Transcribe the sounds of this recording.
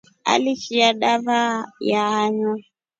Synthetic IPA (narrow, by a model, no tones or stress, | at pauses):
a̰liʃiaɗaβajaaɲa